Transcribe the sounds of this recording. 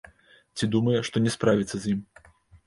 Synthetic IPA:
t͡sʲid̪umɐjɛʂt̪ɔnʲɛspɾavʲit̪sɐzʲjim

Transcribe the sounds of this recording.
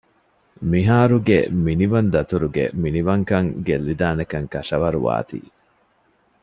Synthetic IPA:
miɦaːɾuɡḛminiʋɐnd̪ɐt̪uɾuɡḛminiʋɐŋkɐŋɡelːid̪aːnɐkɐŋkɐʂɐʋɐɾṵʋa̰ːt̪ḭː

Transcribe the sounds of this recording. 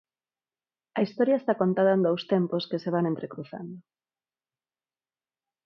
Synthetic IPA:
ɐist̪ɔɾjɐest̪akont̪aðɐend̪owst̪emposkeseβ̞aŋẽnt̪ɾekɾuθa̰nd̪ʊ

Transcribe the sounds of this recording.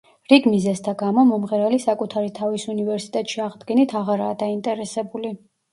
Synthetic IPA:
ɾiɡmizɛst̪ʰaɡamɔmɔmʁɛɾɛlisakʼut̪ʰaɾit̪ʰavisunivɛɾsi̥t̪ʼɛt̪ʼʃiaʁd̪ɡɛnit̪ʰaʁaɾaːd̪aint̪ʼɛɾɛsɛbuli

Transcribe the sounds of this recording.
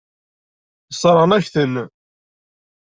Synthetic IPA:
sˤɾˤənæçθən

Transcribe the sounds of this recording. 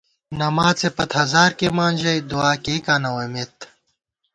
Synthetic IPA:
nɐmaːt͡sepɐt̪hɐzaːɾkemaːnʲd͡ʑɐjd̪uaːkekaːnɐwɐmet̪

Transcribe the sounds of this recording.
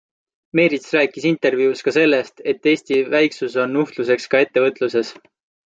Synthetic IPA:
me̞ːɾit̪sræːkːˑisint̪e̞rvjuuskɑse̞lːe̞st̪e̞t̪ːe̞ːsʲt̪ivæjksuso̞nːuht̪luse̞kskɑe̞t̪ːe̞vɤt̪ːˑluse̞s

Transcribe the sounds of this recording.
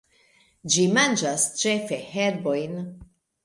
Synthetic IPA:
d͡ʒimand͡ʒast͡ʃe̞fe̞heɾbo̞jn

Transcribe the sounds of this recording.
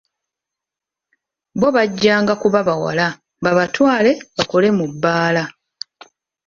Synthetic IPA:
bo̞βaɟːaːŋɡakuβaβawa̰la | mbaβatwaːle̞βakole̞mubːaːla

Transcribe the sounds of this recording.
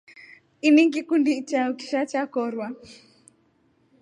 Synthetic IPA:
iniŋɡikundit͡ʃauki̥ʃat͡ʃakɔɾwa

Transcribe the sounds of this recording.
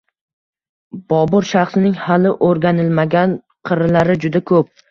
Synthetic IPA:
b̥ɒbʊɾʃaχsɪnɪŋhalɪʔoɾɡʲanɪlmaɡʲan | qʰɨɾɪlaɾɪd͡ʒʊd̪akʰɵp̚

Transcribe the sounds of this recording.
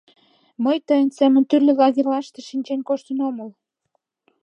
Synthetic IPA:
məjt̪əjənsæmə̆nt̪yrlĕlɑɣerlɑʃt̪ĕʃinʲt͡ɕenkoʃt̪ənoməl

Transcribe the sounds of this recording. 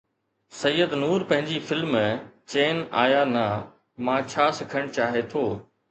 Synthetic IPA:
sɐjːəd̪nuːɾpɐ̃ɦɪ̃ɲd͡ʑifɪlmt͡ɕeːna̰ːjanɐ | mãːt͡ɕʰaːsɪkʰəɽ̃t͡ɕaːɦet̪ʰoː

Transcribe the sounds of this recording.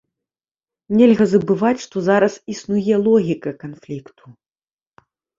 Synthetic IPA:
nʲɛlʲɣɐzɐbɨvat͡sʲʂt̪ɔzaɾɐsisnujɛlˠɔɣʲikɐkanflʲikt̪ʰu̥

